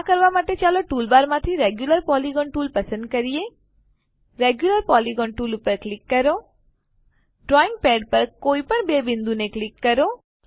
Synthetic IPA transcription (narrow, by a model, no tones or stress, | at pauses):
akəɾʋamat̪et͡ʃaloʈuːlbaɾmãt̪ʰiɾeɡjuləɾpɔliɡɔnʈuːlpəsə̃nd̪̚kəɾije | ɾeɡjuləɾpɔliɡɔɳʈuːlupəɾklikːəɾo | ɖɾɔĩŋɡ̚pɛeɖ̚pəɾkoipəɳ̃bebind̪uneklikːəɾo